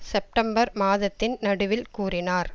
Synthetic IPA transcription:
sɛp̚ʈɐmbɐɾmaːðɐt̪ːɪnnɐɽɯʋɪlkuːrɪnaːɾ

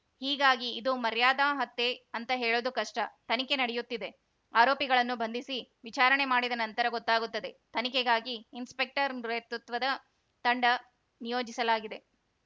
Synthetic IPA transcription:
hiːɡaːɡiːd̪umɐɾjaːd̪aːɦɐt̪ːeɐnt̪ɐɦeːɭoːd̪ukɐʂʈɐt̪ɐnike̞nɐɽɛjut̪ːid̪e̞ | aːɾoːpiɡɐɭɐnːubɐnd̪isiʋit͡ʃaːɾɐɳe̞maːɽid̪ɐnɐnt̪ɐɾɐɡɔt̪ːaːɡut̪ːɐd̪e̞t̪ɐnikeɡaːɡiːnspe̞k̚ʈɐɾmɾet̪ut̪ʋɐd̪ɐ | t̪ɐɳɖɐ | nijo̞ːd͡ʒisɐlaːɡid̪e̞

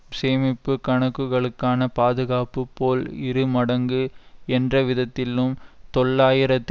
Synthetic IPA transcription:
seːmɪpːɯkɐɳɐkːɯɣɐɭɯkːaːnɐpaːðɯɣaːpɯpːoːlɪɾɯmɐɽɐŋɡɯɛndrɐʋɪðɐt̪ːɪlɯmt̪ɔɭːaːjɪɾɐt̪ː

